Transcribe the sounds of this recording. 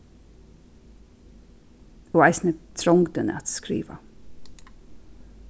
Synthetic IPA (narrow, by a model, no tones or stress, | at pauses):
uːaɪsnət̪ʰɾɔŋɡd̪ənə̰at̪skɾḭːʋa̰